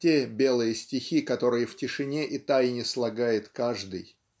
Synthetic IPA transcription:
tʲebʲe̞lˠɨjəsʲtʲɪxʲikɐt̪o̞ɾɨjəftʲɪʂɨnʲeʔit̪ajnʲɪslˠɐɡajɪt̪kaʐd̪ɨj

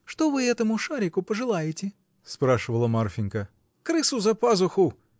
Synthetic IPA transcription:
ʂt̪ovɨɛt̪əmʊʂaɾʲɪkʊpəʐɨlˠajɪtʲɪ | spɾaʂɨvəlˠəmarfʲɪnʲkə | kɾɨsʊzɐpazʊxʊ

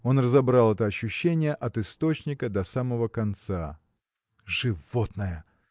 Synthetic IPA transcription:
o̞nrəzɐbɾalˠɛt̪əɐɕːʉɕːenʲɪjəʔɐt̪ɨst̪o̞t͡ɕnʲɪkəd̪ɐsaməvəkɐnt̪sa | ʐɨvot̪nəjə

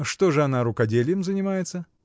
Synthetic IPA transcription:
ʂt̪o̞ʐɨɐnaɾʊkɐdʲelʲɪjɪmzənʲɪmajɪt̪sə

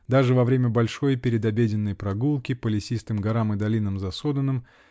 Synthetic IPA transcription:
d̪aʐɨvɐvɾʲemʲəbɐlʲʂo̞jpʲɪɾʲɪd̪ɐbʲedʲɪnːəjpɾɐɡulˠkʲɪpəlʲɪsʲist̪ɨmɡɐɾamɨd̪ɐlʲinəmzɐso̞d̪ənːɨm

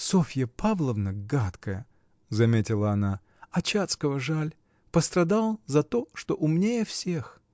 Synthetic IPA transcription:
sofʲjəpavlˠəvnəɡat̪kəjə | zɐmʲetʲɪlˠəɐna | ɐt͡ɕat̪skəvəʐalʲ | pəst̪ɾɐd̪alˠzɐt̪oʂt̪oʔʊmnʲejəfsʲex

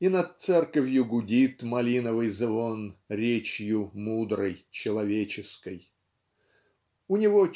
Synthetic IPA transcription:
inɐt̪̚t̪sɛrkəvʲjʊɡʊdʲit̪mɐlʲinəvɨjzvonɾʲet͡ɕjʊmud̪ɾəjt͡ɕɪlˠɐvʲet͡ɕɪskəj | ʊnʲɪvo

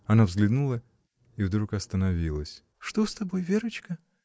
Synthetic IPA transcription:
ɐnavzɡlʲɪd̪nulˠə | ivd̪ɾukɐst̪ənɐvʲilˠəsʲ | ʂt̪ost̪ɐbojvʲeɾət͡ɕkə

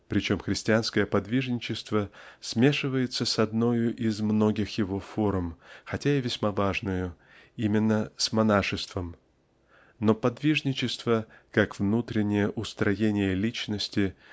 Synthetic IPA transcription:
pɾʲɪt͡ɕo̞mxɾʲɪsʲtʲɪanskəjəpɐd̪vʲiʐnʲɪt͡ɕɪst̪vəsmʲe̞ʂɨvəjɪt̪səsɐd̪no̞jʊʔɪzmno̞ɡʲɪxjɪvo̞fo̞ɾmxɐtʲaɪvʲɪsʲmavaʐnʊjʊ | imʲɪnːəsmɐnaʂɨst̪vəm | no̞pɐd̪vʲiʐnʲɪt͡ɕɪst̪vəkakvnut̪ɾʲɪnʲːɪjəʔʊst̪ɾɐjenʲɪjəlʲit͡ɕnəsʲtʲɪ

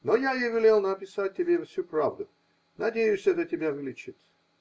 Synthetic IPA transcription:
nojajevʲɪlʲelˠnəpʲɪsat̚ʲtʲːɪbʲefsʲupɾavd̪ʊ | nɐdʲejʊsʲɛt̪ətʲɪbʲavʲlʲɪt͡ɕɪt̪

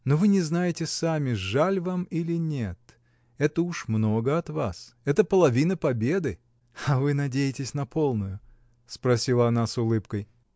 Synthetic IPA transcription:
novɨnʲɪznajɪtʲɪsamʲɪʐalʲvamilʲɪnʲet̪ | ɛt̪əʊʂmnoɡəɐt̪va̰sɛt̪əpəlˠɐvʲinəpɐbʲe̞d̪ɨ | ɐvɨnɐdʲejɪtʲɪsʲnɐpʰo̞lˠnʊjʊ | spɾɐsʲilˠɐɐnasʊlˠɨpkəj

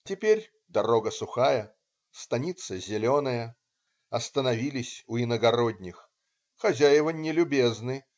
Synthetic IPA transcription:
tʲɪpʲerʲ | d̪ɐɾɔɡəsʊxajə | st̪anʲit̪səzʲɪlʲɔnəjə | ɐst̪ənɐvʲilʲɪsʲuinəɡɐɾɔdʲnʲix | xɐzʲajɪvənʲɪlʲʊbʲeznɨ

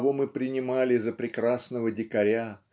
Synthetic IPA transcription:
vo̞mɨpɾʲɪnʲɪmalʲɪzːəpɾʲɪkrasnəvədʲɪkɐɾʲa

